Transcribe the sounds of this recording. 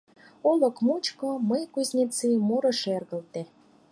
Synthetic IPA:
olɤ̆kmut͡ɕkŏməjkuzʲnʲit͡simoɾɤ̆ʃerɣə̆lt̪e

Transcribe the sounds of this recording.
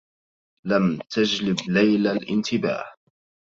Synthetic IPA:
lamt̪ad͡ʒlɪblajlalʔɪnt̪ʰɪba̰ːh

